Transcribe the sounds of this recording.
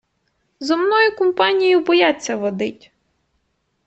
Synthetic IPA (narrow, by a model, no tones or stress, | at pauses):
zɔmnɔjʊkɔmpɑnʲijʊbɔjat͡sʲːɐʋɔd̪ɪtʲ